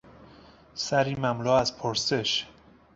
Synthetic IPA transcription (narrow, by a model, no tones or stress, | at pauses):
sæɾiːmæmlɔːæzpʰoɾseʃ